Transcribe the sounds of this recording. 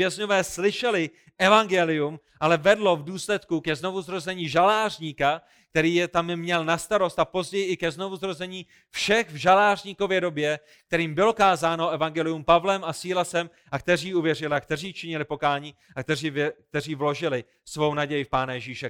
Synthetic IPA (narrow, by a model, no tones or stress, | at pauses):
vjɛzɲo̞vɛːslɪʃɛlɪ | ʔɛvaŋɡɛlɪum | ʔalɛvɛdlo̞vduːslɛt̪kukɛzno̞vuzɾozɛɲiːʒalaːrɲiːka | k̚t̪ɛɾiːjɛt̪ammɲɛlnast̪aɾo̞st̪apo̞zɟɛjɪɪkɛzno̞vuzɾo̞zɛɲiː | fʃɛxvʒalaːrɲiːko̞vjɛdo̞bjɛ | k̚t̪ɛɾiːmbɪlo̞kaːzaːnoʔɛvaŋɡɛlɪjumpavlɛmasiːlasɛm | ʔak̚t̪ɛr̝iːuvjɛr̝ɪlɪakt̪ɛr̝iːt͡ʃɪɲɪlɪpo̞kaːɲiː | akt̪ɛiːvk̚t̪ɛr̝iːvlo̞ʒɪlɪ | svo̞wnaɟɛjɪfpaːnajɛʒiːʃɛ